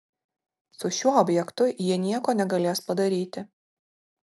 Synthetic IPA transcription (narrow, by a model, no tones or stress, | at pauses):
sʊʃʲuɔɔːbʲjɛkt̪ʊjiɛnʲiɛkoːnʲɛɡɐlʲeːspɐd̪ɐɾʲiːt̪ʲɪ